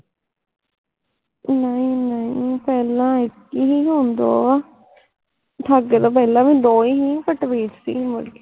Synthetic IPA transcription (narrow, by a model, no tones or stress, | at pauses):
nəĩːnəĩːpɛːlãːɪkiɦiːɦoːnd̪o̰ː | ʈʰaɡet̪oːpɛːlãːʋĩːd̪oːiɦiːpəʈʋeːʈsḭːməle